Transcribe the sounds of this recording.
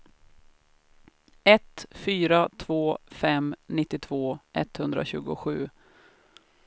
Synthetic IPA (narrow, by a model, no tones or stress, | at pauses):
ɛt̪fyːɾat̪ʰvoːfɛmnɪt̪ːɪt̪ʰv̥oːʔɛt̪hɵnd̪ɾa̰ɕʉ̟ːɡʊɧʉ̟ː